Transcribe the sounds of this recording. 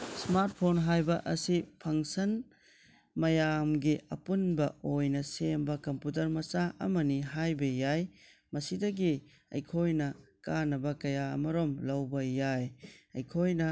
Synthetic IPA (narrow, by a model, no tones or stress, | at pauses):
smaɾt̚pʰonɦajbɐʔɐsipʰɐŋsɐn | mɐjamɡiʔɐ̰punbɐojnɐsembɐkɐmput̬ɐɾmɐsaɐ̰mɐniɦajbɐjaj | mɐsidɐɡi | ɐ̰jkʰojnɐkanɐbɐkɐjaɐ̰mɐɾomlɐwbɐjajɐjkʰojnɐ